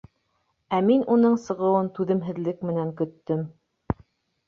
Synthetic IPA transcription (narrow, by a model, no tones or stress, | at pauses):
æminunɤɴsɤ̆ʁɤ̆wɤnt̪ʉðɘ̆mɦɘ̆ðlɘkmɘ̆næŋkɵ̆t̪ːɵm